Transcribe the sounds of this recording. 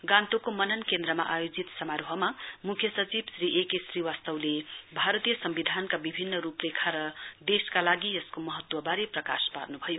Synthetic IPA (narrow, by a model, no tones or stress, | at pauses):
ɡãnt̪okomʌnʌnkend̪ɾʌma̰ʔajod͡zit̪sʌmaɾoɦʌmamukʰjʌsʌt͡sibsriʔekesriwast̪ʌwlebʱaɾʌt̪ijʌsʌmbid̪ʱankabibʱinːʌɾuprekʰaɾʌd̪eskalaɡiʌskomʌɦʌt̪wʌbaɾeprʌka̰spa̰rnubʱʌjo